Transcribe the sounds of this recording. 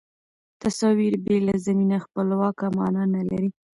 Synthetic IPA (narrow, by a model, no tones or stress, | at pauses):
t̪asɑwiɾbelazaminaxpəlwɑkamɑ̰nanala̰ɾi